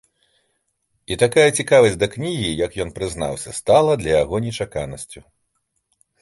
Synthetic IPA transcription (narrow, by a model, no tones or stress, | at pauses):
it̪akajɐt͡sʲikavɐsʲd̪ɐknʲiɣʲijɐkjɔnpɾɨzna̰wsʲɐst̪alˠɐd̪lʲɐjaɣɔnʲɛt͡ʂakanɐsʲt͡sʲu